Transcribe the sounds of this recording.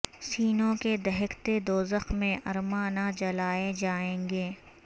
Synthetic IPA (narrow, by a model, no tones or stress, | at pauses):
siːnõked̪ɐɦɪkt̪ed̪oːzəxmẽʔɐɾmanad͡ʒɐlaːed͡ʒaːẽːŋɡeː